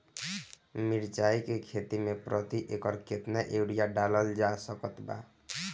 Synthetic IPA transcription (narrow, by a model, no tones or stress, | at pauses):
miɾt͡ʃaikekʰet̪imepɾət̪iʔekəɾket̪naʔeɽijaɖaləld͡ʒasəkət̪ba̰